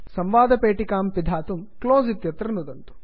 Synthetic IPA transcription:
sɐmʋaːd̪ɐpeːʈikaːmpid̪ʱaːt̪umkloːzit̪jɐt̪ɾɐnud̪ɐnt̪u̥

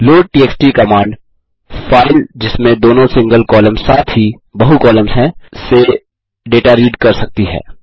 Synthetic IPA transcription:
loːʈiːeːksʈikɐmãːɳɖ | faːɪld͡ʒɪsmẽd̪oːnõsɪ̃ŋɡəlkɔːləmsaːt̪ʰɦi | bɐɦukɔːləmzɦɛ̃se | ɖeːʈaɾiːɖkɐɾsɐk̚t̪iɦɛ̰ː

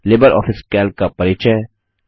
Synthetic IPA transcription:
leːbəɾʔɔ̰ːfɪskɛːlkapɐɾiːt͡ʃɛ

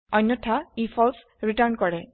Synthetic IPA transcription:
ɔjnːɔtʰaipʰɔls | ɹiʈaɹnkɔɹɛ

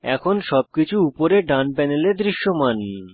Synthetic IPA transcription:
ɛ̰kʰonʃɔb̚kit͡ɕʰuupoɾeɖanpɛneled̪ɾiʃːomani

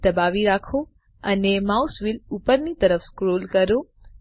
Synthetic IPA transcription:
d̪əbaʋiɾakʰo | ənemausʋilupəɾnit̪əɾəfskɾolkəɾo

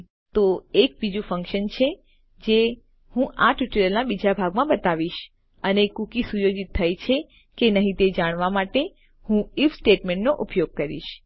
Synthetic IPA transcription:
t̪oek̚bid͡ʒũfə̃ŋkʃənt͡ʃʰe | d͡ʒe | hũʔaʈjuʈələlnabid͡ʒabʱaɡmãbət̪aʋiʃ | ənekukisujod͡ʒit̪ʰːajt͡ʃʰe | kenəɦĩt̪ed͡ʒaɽ̃ʋamaʈe | hũifsʈeʈmẽɳʈnoʔupjoɡ̚kəɾḭʃ

